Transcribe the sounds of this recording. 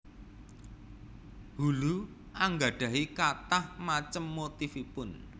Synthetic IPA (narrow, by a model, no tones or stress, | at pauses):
hulu | ʔaŋɡa̤ɖ̥ä̤ɦikat̪ahmat͡ʃəmːot̪ifipʊn